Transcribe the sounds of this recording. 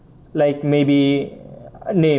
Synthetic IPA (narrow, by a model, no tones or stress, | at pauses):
laɪkmebi | ne